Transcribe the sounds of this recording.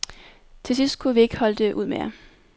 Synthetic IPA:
t͡sʰe̝lsisd̥̚kʰuʋie̝ɡ̥əhɒ̽l̰d̥e̝ʔuð̰ˠmejɐ̰

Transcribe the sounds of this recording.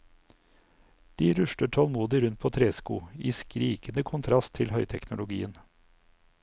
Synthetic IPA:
d̪̥iːɾʉʃʈəʈʰɔlmuːd̪ɪɾʉnt̪̚pʰoːt̪ʰɾeːskṵːiːskɾiːkənəkʰʊnt̪ʰɾɑst̪ʰɪlhœʏt̪ʰɛknʊlʊɡḭːən

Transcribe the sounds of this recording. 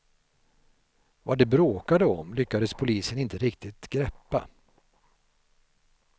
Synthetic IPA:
vad̪ɛbɾoːkad̪əɔmlʏkːad̪əspʰʊliːsənɪnt̪əɾɪkt̪ɪt̪ɡɾɛpːa̰

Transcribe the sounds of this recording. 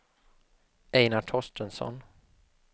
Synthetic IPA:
ɛɪnaʈʰɔʂʈənsɔ̰n

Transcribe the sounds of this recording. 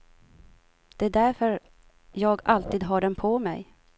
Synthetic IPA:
d̪̥ɛæɖ̪æɾfœɾ | jɑːɡalt̪iːd̪ɦaɖɛnpʰɔmɛ̰j

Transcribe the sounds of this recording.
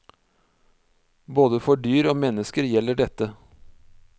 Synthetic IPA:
boːd̪əfɔɖyːɾoːmɛnəskəɾjɛlːəɖɛt̪ːə

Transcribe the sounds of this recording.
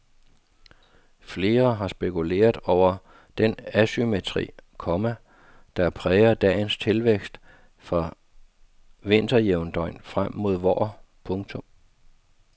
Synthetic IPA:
fle̝ːɐɦɑ̈sb̥e̝kʰule̝̰ːɐð̩ˠɒʊ̰ɐ | d̥enæsymet͡sʰʁḭːkʰɒmæ | d̥æpʰʁɛːɐd̥ɛ̰ːɪnst͡sʰe̝lʋeɡ̥sd̥ | fʁɑ̈ | ʋe̝n̰d̥ɐjeʊnd̥ɒ̽ɪ̰nfʁam̰ːo̝ð̞ˠʋɒ̰ː | pʰɔ̽ŋt͡sʰɔ̽m

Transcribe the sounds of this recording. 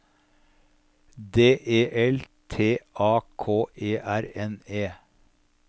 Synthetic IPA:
d̪eːʔeːʔɛlt̪ʰeːʔɑːkʰoːʔeːʔæɾɛneː

